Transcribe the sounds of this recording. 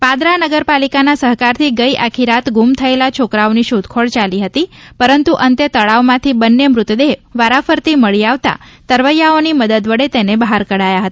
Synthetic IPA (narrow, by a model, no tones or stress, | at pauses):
pad̪ɾanəɡəɾpalikanasəɦkaɾt̪ʰiɡəiʔakʰiɾat̪ɡumt̪ʰəelat͡ʃʰokɾaoniʃud̪kʰoɭt͡ʃaliɦət̪ipəɾənt̪uʔənt̪et̪əɭaʋmãt̪ʰibənːemɾʊt̪d̪eɦʋaɾafəɾt̪iməɭiaʋt̪a̰t̪əɾʋəjaoniməd̪əd̪ʋəɽet̪enebəɦaɾkəɽajaɦət̪ḁ